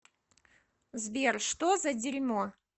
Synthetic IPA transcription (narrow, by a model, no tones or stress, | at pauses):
zbʲerʂt̪ozɐdʲɪɾʲmo